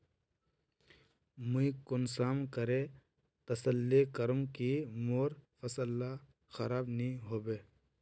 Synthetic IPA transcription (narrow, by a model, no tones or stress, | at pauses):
muikʊnsaːmkəɾe | t̪ɐsəlːikəɾumkimoːɾfɐsəlːa | xɐɾaːbnĩɦoːbeː